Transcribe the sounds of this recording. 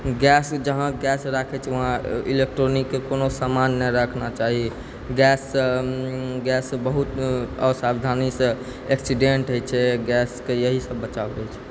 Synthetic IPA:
ɡɛsd͡ʒəɦãɡɛsɾakʰɛt͡ʃʰɛʋəɦãḭlek̚ʈɾonikːekonosamanːɛɾəkʰnat͡ʃaɦi | ɡɛs | ɡɛsbəɦut̪əsabd̪ʱanisə̃ | eksiɖeɳʈɦojt͡ʃʰɛɡɛskejəɦisəbːət͡ʃaɾɛt͡ʃʰɛ̥

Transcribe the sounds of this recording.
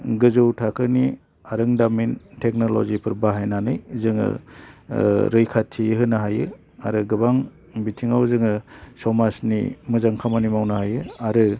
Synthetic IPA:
ɡɯzɯwtʰakʰɯni | aɾɯŋdamintʰek̚nolɔ̰zipʰɯɾbaɦajnanɯjzɯŋɯ̰ | ɾɯjkʰatʰiɦɯnaɦajɯ | aɾɯɡɯbaŋ | bitʰiŋawzɯŋɯsɔmasnḭmɯzaŋkʰamanimawnahajɯaɾɯ

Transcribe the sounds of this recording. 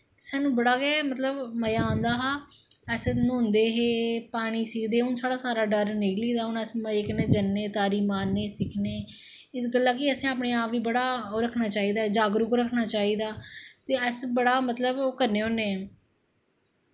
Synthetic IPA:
saːnũːbəɽaːɡɛːmət̪ləbməjaːãːnd̪aːɦaː | əsnoːnd̪eːɦeːpaːɽ̃iːsɪkʰd̪eːʊnsaːɽaːsaːɾaːɖəɾnɪkliːd̪aːɦʊnəsmeːkəneːd͡ʒənːeːt̪aːɾiːmaːnːeːsɪkʰneː | ɪsɡəlːaːkɪəsẽːaːp̬ɳeːaːpʋiːbəɽaːoːɾəkʰnaːt͡ʃaːiːd̪aːd͡ʒaːɡɾʊkoɾəkʰnaːt͡ʃaːiːd̪aːt̪eːəsbəɽaːmət̪ləboːkəɾneːoːneː

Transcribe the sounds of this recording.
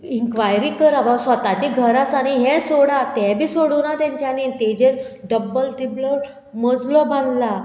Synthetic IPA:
iŋkʋajɾikəɾaʋasʋət̪at͡ɕiɡʱəɾasaɽ̃iɦɛ̃soɽat̪ɛ̃bʱiːsoɽuːnat̪ɛ̃ɲt͡ɕjanit̪ed͡ʑeɾɖəbːəlʈɾiblɔ | məd͡zlɔbãnd̪la

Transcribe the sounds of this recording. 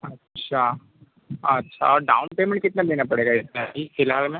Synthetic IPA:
ɐtːʃʰa | ɐtːʃʰa̰ɔːɾɖa̰ːʊnpeːmɛ̃ɳʈ̚kɪt̪naleːnapɐɽeːɡaɪt̪naɦixɪlaːlmẽ

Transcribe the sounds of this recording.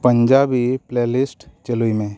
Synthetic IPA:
pə̃ɲd͡ʒaːbipleːlɪsʈt͡ʃəluimẽː

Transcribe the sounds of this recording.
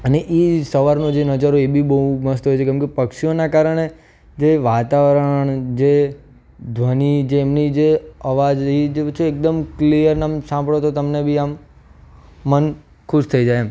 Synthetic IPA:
əneʔisəʋaɾnod͡ʒenəd͡ʒaɾoebʱibəɦuməɦəst̪oɦojt͡ʃʰekɛ̃mkepəkʃijonakaɾəɽ̃e | d͡ʒeʋat̪aʋəɾəɳ̃d͡ʒe | d̪ʱʋənid͡ʒeːmnid͡ʒeəʋad͡ʒɦid͡ʒeət͡ʃʰiek̚d̪əmklijəɾnamsãmbɭot̪ot̪əmnebʱiam | ən | kʰuʃt̪ʰəid͡ʒaja

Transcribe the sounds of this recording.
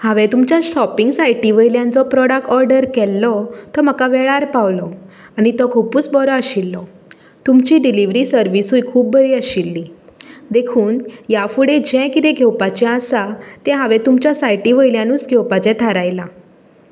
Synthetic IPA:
haʋɛt̪umt͡ɕjaɕɔpiŋɡsajʈiʋəjljãnt͡sɔpɾɔɽək̚ʈɔɾɖəɾkɛlːɔt̪ɔm̤akaʋɛɭaɾpaʋlɔ | anit̪ɔkʰupuːt͡sbɔɾɔəɕilːɔ | t̪umt͡ɕiɖiliʋɾisəɾʋisujkʰuːb̚bəɾiːəɕilːid̪ekʰuːnjafuɽed͡ʑɛ̃kit̪ɛ̃ɡʱɛwpat͡ɕɛ̃asat̪ɛ̃ɦaʋɛ̃t̪umt͡ɕjasajʈiʋəjljãnuːt͡sɡʱɛwpat͡ɕɛ̃t̪ʰaɾajla

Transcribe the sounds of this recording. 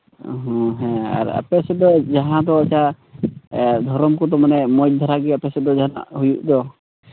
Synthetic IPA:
ɦɔ̃ɦɛ̃a̰ɾa̰pɛsɛd̪ɔd͡ʒaɦãd̪ɔːt͡ʃʰa | d̪ʱɔɾɔmkɔd̪ɔmanɛmɔj̚d̪ʱɔɾaɡɛapɛsɛd̪ɔd͡ʒaa̰ʔɦujṵʔd̪ɔ

